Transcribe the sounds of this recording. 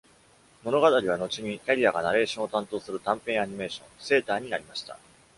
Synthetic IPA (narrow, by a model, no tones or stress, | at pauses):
mo̞no̞ɡat̪aɾʲiβ̞ano̞t͡ɕiɲ̟ikʲaɾʲiaɡanaɾe̞ːɕõot̪ãnt̪o̞ːsɨɾɯ̟t̪ãmpẽ̞aɲ̟ime̞ːɕõ̞se̞ːt̪aːɲ̟inaɾʲimaɕi̥t̪a̰